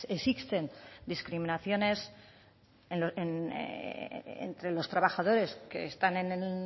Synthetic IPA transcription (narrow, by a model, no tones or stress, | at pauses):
esikst̪e̞nd̪iskɾimĩnaθjo̞ne̞s | noen | ḛnt̪ɾe̞lo̞st̪ɾaβaxað̞o̞ɾe̞ske̞̰ːst̪anenel